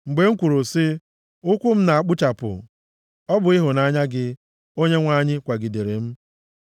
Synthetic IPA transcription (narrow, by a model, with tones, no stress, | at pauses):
ŋ͡m̩˨ɡ͡be˨ŋ̩˦kʷu˨ɾʊ˨sɪ˦ | ʊ˦kʷʊ˦m̩˦na˨a˨k͡pʊ˦t͡ʃa˨pʊ̰˨ | ɔ˦bʊ˨ɪ˦ɦʊ˨na˦ɲa˦ɡɪ˦ | o˦ɲe˦ŋʷa˦˨ɲɪ˦kʷa˨ɡi˨de˨ɾe˨m̩˦